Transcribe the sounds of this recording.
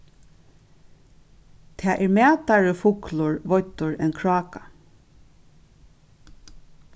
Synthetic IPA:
t̪ʰaːʔɛɹmæːt̪aɹəfʊklʊɹʋɔjt̪ʊɹɛ̰nkʰɹɑːka

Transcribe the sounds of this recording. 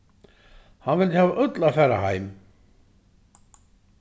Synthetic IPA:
hanvɪlɪhavaʔœt̪laθɛrːa̰ha̰ːjm

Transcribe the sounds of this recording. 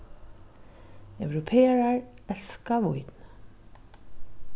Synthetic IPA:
œwɾɔpʰeːaɹaɹɛlskavujt̪n

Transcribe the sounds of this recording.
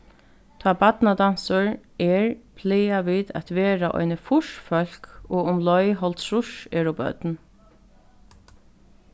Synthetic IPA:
t̪ʰaːbat̪nad̪ansʊɹ | ɛɹpʰlɛːaʋiːðæ̰t̪ʋɛːɾaʔɔ̰jnəfʊʂfœl̥koːʊmlɔjɦɔlt̪sɾʊʃɛːɹɔbœ̰t̪n

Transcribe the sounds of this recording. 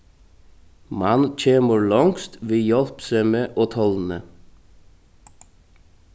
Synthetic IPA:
mɑnc͡çʰeːməɹlɑŋst̪ʋɪjɔlpseɪmeːʔoːt̪ʰɔln̩ə

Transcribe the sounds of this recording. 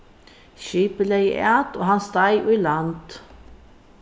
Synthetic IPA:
ʃiːpəleɪʔæːt̪o̰ːhɑnst̪ɑɪʔʉːlɑnt̪

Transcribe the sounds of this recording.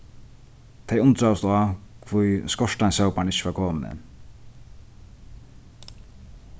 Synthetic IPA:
t̪ʰejʊnt̪ɾawst̪akʰvujskɔʂʈansawpaɳɪɕːəʋaɾkʰoːmnə̰

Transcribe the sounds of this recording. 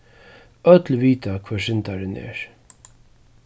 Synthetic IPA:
œt̪lviːt̪akʰv̥aːʂɪnt̪aɾɪnɛ̰ːɹ

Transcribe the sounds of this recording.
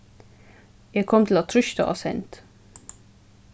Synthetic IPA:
jæɪkʰɔmt̪ʰl̩ɑt̪ʰɾʏʃt̪ə̰ʔɑ̰sɛ̰nt̪

